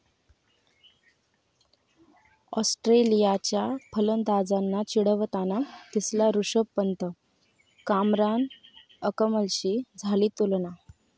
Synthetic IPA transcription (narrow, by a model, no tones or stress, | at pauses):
ɔsʈɾelijat͡ɕjapʰələnd̪ad͡zanːat͡ɕiɽəʋət̪anat̪islaɾuʂəpːənt̪ə | kamɾan | əkəməlɕiːd͡zʱaliːt̪ulna